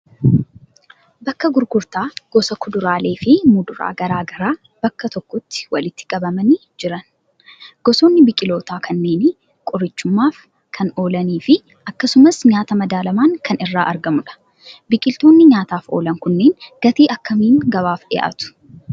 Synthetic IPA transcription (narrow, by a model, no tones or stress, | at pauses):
bɐkːɐɡʊɾɡʊɾt̪aːɡ̥ɔsɐkʰʊd̪ʊɾaːle̞ːfɪmʊd̪ʊɾa̰ːɡɐɾaːɡɐɾaː | b̥ɐkːɐt̪ɔkːɔt̪ːɪ̥wɐlɪt̪ːɪ̥kʼɐbɐmɐni | d͡ʒɪɾɐn | ɡ̥ɔsoːnːɪbɪkʼɪlo̞ːt̪aːkʰɐnːe̞ːn | kʼʊɾɪt͡ʃːʊmːaːf | kʰɐno̞ːlɐniːfɪ | ʔɐkːɐsʊmɐsɲaːt̪ɐmɐd̪aːlɐmaːŋkʰɐnɪrːaːʔɐɾɡɐmʊᶑɐ̥ | bɪkʼɪlt̪oːnːɪɲaːt̪aːfo̞̰ːlɐŋkʊnːe̞ːnɡ̥ɐt̪iːʔɐkːɐmiːŋɡɐβaːfᶑɪ̰jʔa̰ːt̪ʊ̥